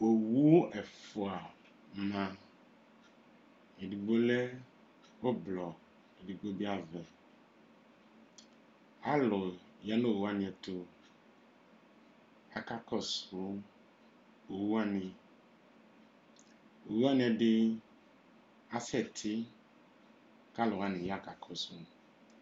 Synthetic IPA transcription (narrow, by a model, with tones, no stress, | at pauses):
o˨wu˦ɛ˨fo˨a˨ | mã˨ | e˨ɖi˨ɡ͡bo˦le˦ | wo˦blɔ˨ | e˨ɖi˨ɡ͡bo˦bi˦a˨vɛ˨ | a˦lɔ˨ | ja˦nõ˦o˨wu˦a˦nĩ˨ɛ˨t̪o˦ | a˨ka˦kɔ˦so˨˦ | o˨wu˦a˦ni˨ | o˨wu˦a˦nĩ˨ɛ˨ɖɪ˦ | a˦sɛ˦˨tʰɪ˦ | ka˦lʊ˨a˨˦ni˨ja˦˨ka˨kʰɔ˨so˦